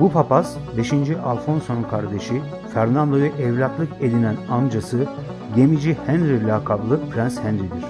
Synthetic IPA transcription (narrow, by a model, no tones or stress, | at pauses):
bupʰapasbe̞ʃind͡ʒiʔalˠfo̞nsonunkʰaɾd̪e̞ʃi | fæɾnand̪ovɛʔɛvlʲat̪lˠɯke̞d̪inænamd͡ʒasɯ | ɟe̞mid͡ʒihænɾilʲakʰablˠɯpʰɾænshænɾid̪iɾ̥